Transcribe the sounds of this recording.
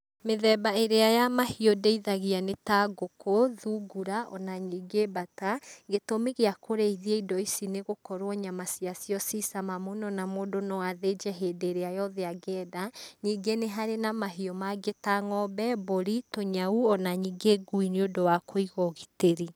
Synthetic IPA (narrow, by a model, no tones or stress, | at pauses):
meðɛbaeɾeajamahiɔdeiðaɣianetaɡokoðuɡuɾaʔɔ̰naɲiːɡebataɡetomeɣeakoɾeiðieidɔisineɣokɔɾwɔɲamasiasijɔsisamamonɔnamoːdonɔwaðed͡ʒɛɦedeɾeajɔðeaɡɛːdaɲiːɡeneɦaɾenamaɦiɔmaɡetaŋɔbɛboɾitoɲauɔnaɲiːɡeɡuineodowakʰoiɣɔɣiteɾi